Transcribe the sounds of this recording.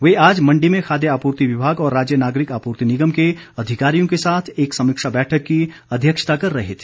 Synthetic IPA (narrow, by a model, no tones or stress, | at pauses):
ʋeaːd͡ʒmɐ̃ɳɖimẽxʰaːd̪jəaːpuːɾt̪iʋɪbʱaːɡɔːɾːaːd͡ʒjənaːɡɾɪkaːpuːɾt̪inɪɡəmke | ɐd̪ʱɪkaːɾijõkesaːt̪ʰeːksɐmɪkʃabɛːʈʰəkːi | ɐd̪ʱjəkʃə̥t̪akɐɾːɐɦet̪ʰi̥